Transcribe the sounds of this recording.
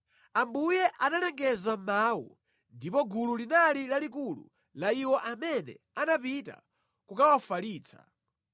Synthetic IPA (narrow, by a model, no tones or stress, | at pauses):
ambujɛʔanalɛŋɡɛzam̩maːwṵ | ndipɔɡululinalilalikulṵ | laiwɔʔamɛnɛ̰ | anap̬ita̰ | kukawafaliːt͡sʰḁ̰